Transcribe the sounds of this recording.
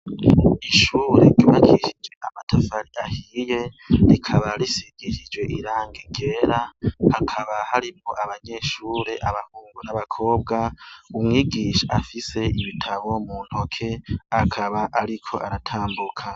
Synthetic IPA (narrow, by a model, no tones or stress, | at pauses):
iʃuːɾe̞̰uβakiʃid͡ʒɡwe̞ʔamatʰafaɾiahije̞ | ɾikʰaβaɾisiɡiʃid͡ʒwe̞ʔiɾaːŋɡeŋɡe̞ɾahakʰaβahaɾipo̞ʔaβaɲe̞ʃuːɾe̞ʔaβahuːŋɡunaβakʰo̞ːbɡaumŋiːɡiːʃaafise̞iβitʰaβo̞muːn̥ho̞kʰe̞akʰaβaʔaɾikʰo̞̰ʔaɾatʰaːmbukʰa